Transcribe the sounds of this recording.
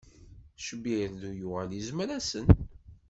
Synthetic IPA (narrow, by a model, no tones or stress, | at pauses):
ʃəbiɾðujʊʁælizmɾæsən